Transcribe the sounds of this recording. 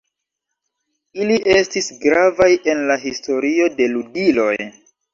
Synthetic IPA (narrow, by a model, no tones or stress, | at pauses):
iliʔe̞stisɡɾavaje̞nlaɦisto̞ɾio̞de̞ludilo̞j